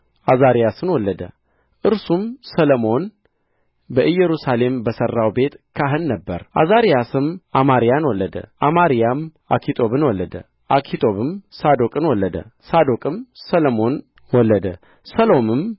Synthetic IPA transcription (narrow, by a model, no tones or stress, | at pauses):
ʔazaɾijasɨnwɔlːəd̪ə̰ | ʔɨɾsumsəlomo̞n | bəʔɨjːɛɾusale̞mbəsərːawbe̞t̪kʰaɦɨnːəbːəɾʔa̰zaɾijasɨmʔamaɾijanwɔlːəd̪ə̰ʔamaɾijam | a̰kʰit̪ʼo̞βɨnwɔlːəd̪ə̰ | ʔakʰit̪ʼo̞βɨmsad̪okʼɨnwɔlːəd̪ə̰sad̪okʼɨmsələmo̞n | wɔlːəd̪ə | səlomɨm